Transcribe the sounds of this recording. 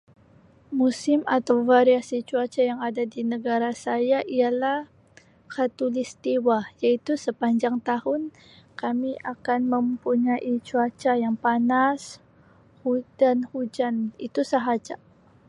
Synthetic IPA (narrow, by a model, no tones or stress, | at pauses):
musɪmat̪awfaɾiasit͡ʃuat͡ʃajaŋadadinəɡaɾasajaʔialah | kat̪ulist̪iwajait̪usəpaɲd͡ʒaŋt̪ahʊn | kamiʔakanməmpuɲaʔit͡ʃuat͡ʃajaŋpanas | hudanhud͡ʒanit̪usaɦad͡ʒa